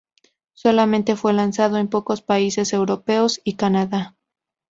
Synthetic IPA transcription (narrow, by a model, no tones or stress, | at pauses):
so̞lamẽ̞nt̪e̞fwe̞lansaðo̞empo̞ko̞spaise̞se̞wɾo̞pe̞osikanaða